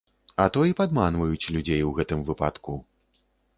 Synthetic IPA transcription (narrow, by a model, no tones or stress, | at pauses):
ɐt̪ɔjipad̪manvɐjut͡sʲlʲud͡zʲejwɣɛt̪ɨmvɨpa̰t̪ku